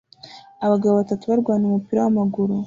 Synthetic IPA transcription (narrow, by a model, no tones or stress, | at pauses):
aβaɡaβoβatatuβaɾɡwaːniumupiːɾowamaɡuɾu